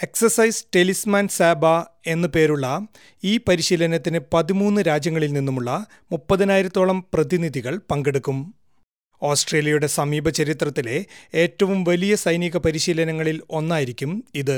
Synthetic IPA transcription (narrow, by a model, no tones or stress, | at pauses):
e̞ksɐrsɐjsʈelismaːnsaːbɐ | e̞nːɨpe̞ːɾuɭːɐ | iːpɐɾiɕiːlɐnɐt̪ːinɨpɐðimuːnːɨɾaːd͡ʑjɐŋːɐɭilninːumuɭːɐ | mupːɐðɐnaːjiɾɐt̪ːo̞ːɭɐmprɐðiniðʱiɣɐɭpɐŋɡeɽukːum | o̞ːsʈre̞ːljɐjuɽe̞sɐmiːbʱɐt͡ɕɐɾit̪rɐt̪ːile̞e̞ːtːɐʋumʋɐlijɐsɐjniɣɐpɐɾiɕiːlɐnɐŋːɐɭilo̞nːaːjiɾikʲːumiðɨ